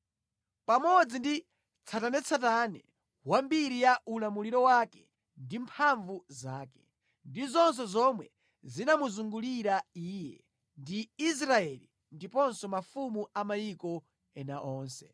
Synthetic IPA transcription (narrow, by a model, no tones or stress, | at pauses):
pamɔd͡zindi | t͡sʰatanɛt͡sʰatanɛ | wambiɾijaʔulamuliɾɔwaːkɛ̥ | ndimpʰaɱvuzaːkɛ̥ | ndizɔns̬ɔzɔmwɛ | zinamuzuŋɡuliɾaiːjɛ | ndiis̬ɾaɛli | ndipɔnsɔmafumuamajikɔ | ɛnaʔɔːnsɛ